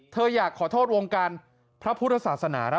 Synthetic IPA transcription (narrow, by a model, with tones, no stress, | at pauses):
t̪ʰɤː˧jaː˨˩kʰːɔː˩˦t̪ʰoː˥˩t̪̚wo˧ŋkaː˧n | pʰɾa˦˥pʰu˦˥t̪̚ʰːa˧saː˨˩t̪̚sa˧naː˩˦ɾa˦˥